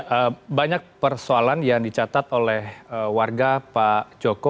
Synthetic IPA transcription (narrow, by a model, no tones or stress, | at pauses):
ʔəbaɲak̚pərsoalanjaŋdit͡ʃat̪at̪olɛhəwarɡapad͡ʒoko